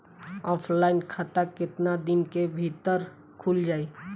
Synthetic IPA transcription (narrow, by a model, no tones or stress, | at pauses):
ɔːpʰlaːɪnkʰat̪akɪt̪nad̪ɪnkebʱit̪əɾ | kʰʊld͡ʒaːi